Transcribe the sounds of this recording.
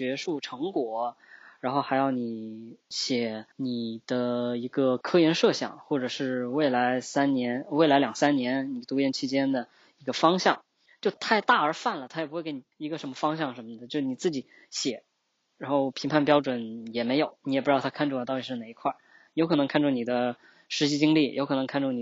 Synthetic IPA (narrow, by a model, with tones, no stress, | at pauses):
t͡ɕɥɛ˧˥ʂu˥˩ʈ͡ʂʰɤ˧˥ŋkwɔ˨˩˦ɻa˧˥nxo˥˩ʊxa˧˥ɪjɑ˥˩ʊni˨˩ɕjɛ˨˩˦ni˨˩d̪̥ə˦i˧˥ɡə˧kʰɤ˥jɛ˧˥nʂɤ˥˧ɕjɑ̰˨˩˦ŋxwɔ˥˩ʈ͡ʂɤ˨˩ʂɻ̩˥˧we˥˩ɪla˧˥ɪsa˥nnjɛ˧˥nwe˥˩ɪla˧˥ɪljɑ˨˩ŋsa˥nnjɛ˧˥nni˨˩t̪u˧˥jɛ˥nt͡ɕʰi˧˥t͡ɕjɛ˥nd̪ə˨ | i˧˥ɡə˧fɑ˥ŋɕjɑ˥˩ŋ | t͡ɕjo˥˧˩ʊt̪ʰa˥˧ɪt̪a˥˩ə˞˧˥fa˥˩nlə˩t̪ʰa˥jɛ˨˩pu˥wke˧˥ni˨˩i˧˥ɡə˧ʂə˧˥nmə˧fɑ˥ŋɕ̬jɑ˥˩ŋʂə˧˥nmə˧d̪ə˨t͡ɕjʊʂni˨˩t͡sɹ̩˥˩t͡ɕi˨˩˦ | ɕjɛ˨˩˦ | ɻa˧˥nxo˥˩ʊpʰi˧˥ŋpʰa˥˩np̬jɑ˥ʊʈ͡ʂwə˨˩njɛ˨˩me˧˥ɪjo˨˧˦ʊni˧˥ɛ˨˩p̩˧˥˩t̪ʰa˥kʰa˥˧nʈ͡ʂu˥˩˨t̪ɑ˥˩ʊ˨˩ʂɻ̩˥˩na˩i˧˥kʰwa˥˩ | jo˧˥kʰnɤ˧˥ŋkʰa˥˧nʈ͡ʂʰɔ˥˩ŋni˨˩d̪ə˦ | ʂɻ̩˧˥ɕi˧˥t͡ɕi˥ŋli˥˩jʔo˧˥ʊkʰɤ˨˩nɤ˧˥ŋkʰa˥˧nʈ͡ʂʰɔ˥˩ŋni˨˩